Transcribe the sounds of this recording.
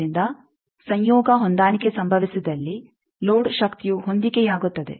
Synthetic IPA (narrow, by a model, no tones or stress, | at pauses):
ind̪ɐ | sɐɲjɔːɡɐɦond̪aːnikesɐmbʱɐʋisid̪ɐlːi | loːɖʃɐkt̪ijuɦo̞nd̪ikejaːɡut̪ːɐd̪e̞̰